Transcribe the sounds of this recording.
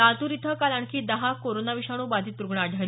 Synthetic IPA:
at̪uɾit̪ʰəkalaɳkʰiːd̪əɦakoɾonaʋiɕaɽ̃uːbad͡zʱiːt̪̚pɾuɡɳaɖʱəl

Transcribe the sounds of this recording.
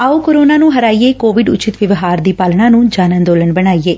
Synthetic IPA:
aːoːkoɾoːnaːnũːɦəɾaːieːkoːʋɪɖʊt͡ʃɪt̪ʋɪʋɦaːɾd̪iːpaːlɳãːnũːd͡ʒaːnə̃nd̪oːləɳbəɽ̃aːiːeː

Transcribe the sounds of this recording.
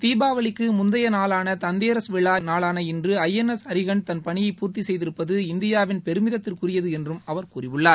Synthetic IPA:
t̪iːbaːʋɐɭɪkːɯmʊnd̪ɐjɐnaːɭaːnɐt̪ɐnd̪eːɾɐsʋɪɭːaːnaːɭaːnɐɪndrɯɐjɛnɛsɐɾɪɣɐɳt̪ɐnpɐɳɪjɐɪpːuːɾt̪isɛjðɪɾɯpːɐðɯɪnd̪ɪjaːʋɪnpɛɾɯmɪðɐt̪ːɪrkʊrɪjɐðɯɛndrɯmɐʋɐɾkuːrɪʋɯɭːaːɾ

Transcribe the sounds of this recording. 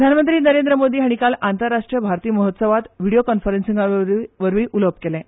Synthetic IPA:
d̪ʱanmənt̪ɾiːnəɾend̪ɾəmod̪ʱiːɦaɽ̃ikalant̪əɾːaʂʈɾijəbʱaɾt̪iːəməɦət̪səʋat̪ʋiɽijokɔnfəɾensiŋɡaʋəɾʋiːʔuləp̚kelɛ̃

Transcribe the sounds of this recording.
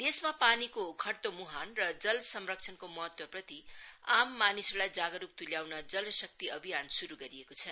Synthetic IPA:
d̪esmapanikokʰʌɽt̪omuɦanrʌd͡zʌlsʌmrʌk̚t͡sʰʌnkomʌɦʌt̪wʌprʌt̪iamːanisʌlajd͡zaɡʌɾuk̚t̪uljawnʌd͡zʌlʌsʌk̚t̪iʌbʱijansuɾuɡʌɾiekot͡sʰʌ

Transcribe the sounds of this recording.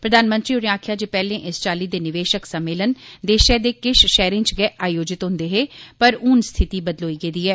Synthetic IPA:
pɾəd̪aːnmə̃nt̪ɾiːʊɽẽaːkʰjaːd͡ʒeːpɛːlẽːʔɪst͡ʃaːliːd̪eːnɪʋeːʃəksəmːeːlənd̪eːʃɛːd̪eːkɪʃʃɛːɾɪ̃ŋt͡ʃɡɛːʔaːjoːd͡ʒɪt̪ɦʊ̃nd̪eːɦeːpəɾʊnst̪ʰɪt̪iːbəd̪loːiːɡeːd̪iːɛː

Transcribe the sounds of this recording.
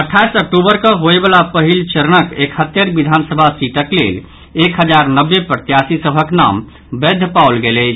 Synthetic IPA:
əʈʰːajsək̚ʈubəɾkəɦoebəlapəɦilt͡ʃəɾənəkekʰhət̪ːjəɾbid̪ʱansəbʱasiʈəklḛl | ekɦəd͡ʒaɾnəbːepɾət̪jasisəbʱəkna̰m | bed̪ʱːəpaulɡelət͡ʃʰ

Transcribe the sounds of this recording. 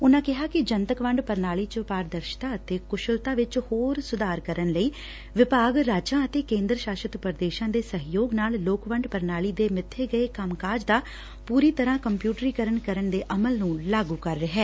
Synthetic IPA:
ʊnãːkɪɦaːkɪd͡ʒənt̪əkʋəɳɖpəɾnaːliːt͡ʃəpaːɾd̪əɾʃt̪ãːət̪eːkʊʃəlt̪aːʋɪt͡ʃhoːɾsʊd̪aːɾkəɾənləiː | ʋɪpaːɡɾaːd͡ʒãːət̪eːkẽːnd̪ɾəʃaːʃət̪pəɾd̪eːʃãːd̪eːsəɦjoːɡnaːlloːkʋəɳɖpəɾnaːliːd̪eːmɪt̪ʰːeːɡəeːkəmkaːd͡ʒd̪aː | puːɾiːt̪əɾãːkəmpjuːʈɾiːkəɾənkəɾənd̪eːʔəməlnũːlaːɡuːkəɾːəɦɛː

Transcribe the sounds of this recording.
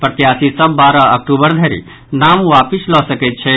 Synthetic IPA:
pɾət̪jaːsisəbːaːɾaɐk̚ʈubəɾd̪ʱɛɾḭ | naːmwapislɔsəkɛt̪̚t͡ʃʰɛ

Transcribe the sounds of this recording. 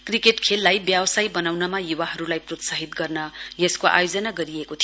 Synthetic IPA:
krikeʈkʰelːajbjabsajbʌnawnʌmajuwaɦʌɾulajprot̪saɦit̪ɡʌrnʌjeskoʔa̰jod͡zʌnaɡʌɾiekot̪ʰi

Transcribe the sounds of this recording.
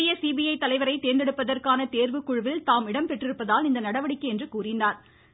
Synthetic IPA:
ɪjɐsiːbijɐɪt̪ːɐlɐɪʋɐɾɐɪt̪eːnd̪ɛɽɯpːɐðɐrkaːnɐt̪eːɾʋɯkːʊɻɯʋɪlt̪aːmɪɽɐmpɛʈrɪɾɯpːɐðaːlɪnd̪ɐnɐɽɐʋɐɽɪkːɐɛndrɯkuːrɪndaːɾ

